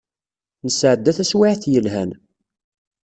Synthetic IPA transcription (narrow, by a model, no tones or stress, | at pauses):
nəsʕəd̪ːæθæswɪʕθjəlɦæn